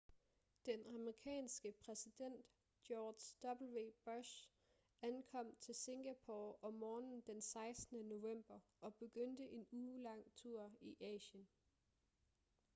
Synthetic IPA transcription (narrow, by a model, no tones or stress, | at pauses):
d̥enɑ̈məʁikʰɛ̰ːnsɡ̥əpʰʁɛsid̥en̰d̥ | jɒːd̥sd̥ɒ̽b̥l̩ʋe̝ːb̥ɔɕ | ænkʰɒ̽m̰t͡sʰe̝lse̝ŋɡ̥æpʰoɒ̽mɒːnn̩d̥ensɑ̈ɪsnəno̝ʋem̰b̥ɐʔɒ̽b̥e̝ɡ̥øn̰d̥əʔe̝nuːlɑ̈ŋ̰t͡sʰuɐ̰iʔɛ̰ːɕən